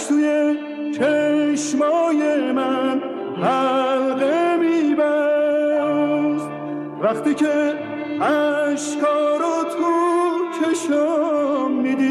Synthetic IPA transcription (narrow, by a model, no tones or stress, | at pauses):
suje | t͡ʃʰeʃmɒːjemæn | hælɣemiːbæ | s | væχt̪ʰiːkʰe | æʃkʰɒːɾot̪ʰut͡ʃʰeʃɔ | miːd̪i